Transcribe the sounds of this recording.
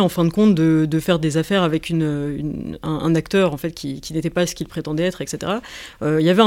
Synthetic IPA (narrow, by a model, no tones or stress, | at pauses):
ɑ̃fɛ̃d̪əkɔ̃t̪̚d̪əd̪əfɛʁd̪ezafɛʁavɛkʲynøy̰nɛ̰̃ɛ̰̃nakt̪œʁɑ̃fɛt̪̚kʲikʲinet̪ɛpasə̥kʲilpχet̪ɑ̃d̪ɛɛt̪χɛkset̪ḛʁaøiljavɛɛ̃